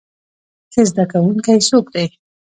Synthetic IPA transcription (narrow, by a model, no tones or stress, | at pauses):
kezd̪akawuŋkajsokd̪ej